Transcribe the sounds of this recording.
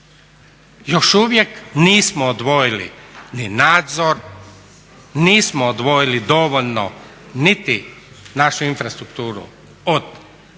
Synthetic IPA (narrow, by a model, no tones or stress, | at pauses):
joʃuʋjekniːsmoːd̪ʋo̞jilḭninaːd̪zoɾ | niːsmoːd̪ʋojilid̪oʋolno | nit̪i | naʃuinfɾast̪ɾukt̪uːɾṵ | od̪̥